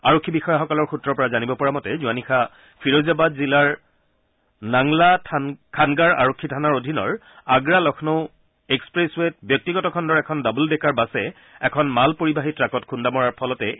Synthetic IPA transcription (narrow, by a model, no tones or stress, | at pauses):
aɹokʰːibixɔjaxɔkɔlɔɹxutɹɔɹpɔɹazanibɔpɔɹamɔtɛzuanixʰa | fʰiɹozabadzilaɹ | naŋlakʰanɡaɹa̰ɹokʰːitʰanaɹodʱinɔ̰ɹ | aɡɹalɔxʰnoʊ | ekspɹeswet̚bjɔk̚tiɡɔtɔkʰɔndɔɹɛkʰɔndabuldɛkaɹbasɛ | ɛkʰɔnmalpoɹibaɦitɹakɔtkʰundamɔɹaɹpʰɔlɔtɛ